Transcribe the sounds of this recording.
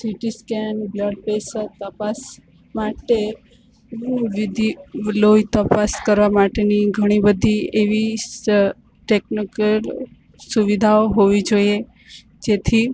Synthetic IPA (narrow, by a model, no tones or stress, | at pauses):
siʈiskɛnbləɖpesəɾt̪əpas | maʈẽ | ʋid̪ʱilojt̪əpaskəɾʋamaʈeniɡʱəɽ̃ibəd̪ʱieʋi | ʈeknikəl | suʋid̪ʱaoɦoʋid͡ʒoie | d͡ʒet̪ʰi